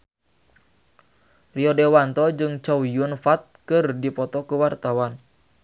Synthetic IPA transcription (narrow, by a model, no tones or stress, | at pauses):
riɔdewant̪ɔd͡ʒɨŋt͡ʃawijʊnfat̪̚kɨrdipɔt̪ɔkəwart̪awan